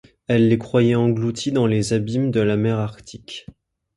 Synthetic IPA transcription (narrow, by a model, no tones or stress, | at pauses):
ɛlːekχwajɛɑ̃ɡlut̪ʰid̪ɑ̃lezabimd̪əlamɛʁaʁkt̪ʰikʲ